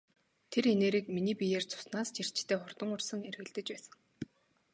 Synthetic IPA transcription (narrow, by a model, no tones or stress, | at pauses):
t̪ʰeɾeneːɾiːkminiːpijeːrt͡sʰʊ̥snaːst͡ɕir̥t͡ɕt̪ʰeːχʊrt̪ə̆ŋʊrsə̆ŋerɣɘ̆ɮt̪ɘ̆t͡ɕpæːsə̆ŋ